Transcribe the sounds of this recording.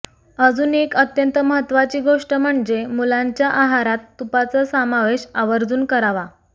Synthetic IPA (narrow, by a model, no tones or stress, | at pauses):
əd͡zuːnekət̪jənt̪əməɦət̪ːʋat͡ɕiːɡoʂʈəm̤əɳd͡zemulaɲt͡ɕjaʔaɦaɾat̪ːupat͡səːsamaʋeɕaʋəɾd͡zuːnkəɾaʋa